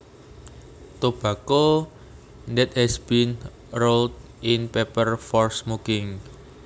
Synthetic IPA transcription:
t̪ob̥ä̤ko | ndɛt̪̚hɛsb̥in | rold | ʔɪnpepərfɔrsmukɪŋ

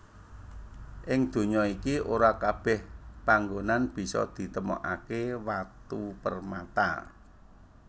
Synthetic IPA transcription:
ʔɪŋd̪̥o̤ɲɔikioɾakab̥ɛ̤hpaŋɡonanb̥i̤sɔ̰d̪̥i̤t̪əmɔ̰ʔakewat̪upərmat̪a̰

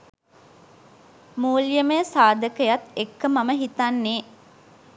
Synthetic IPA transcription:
muːljəməjsaːd̪əkəjat̪ːekːəmaməɦit̪anːeː

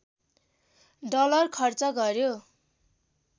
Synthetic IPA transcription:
ɖʌlʌrkʰʌrt͡sʌɡʌrjo

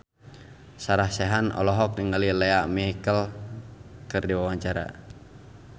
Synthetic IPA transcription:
saɾahsɛɦanɔ̰lɔɦɔk̚diŋɡalilɛaʔmɛɦikəl | kɨrdiwawaɲt͡ʃaɾa̰

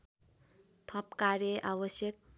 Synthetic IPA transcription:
t̪ʰʌpkaɾjʌʔabʌsjʌk̚

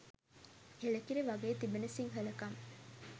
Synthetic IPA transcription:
helɐkiɾeʋaɡeːt̪ibenɐsiŋɦəlɐkɐŋ

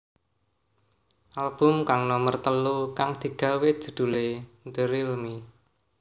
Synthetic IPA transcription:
ʔalb̥ʊ̤mkaŋnɔmərt̪əlukaŋd̪̥i̤ɡ̥ä̤wed̥ʒ̥ṳd̪̥ṳlend̪əɾilmi

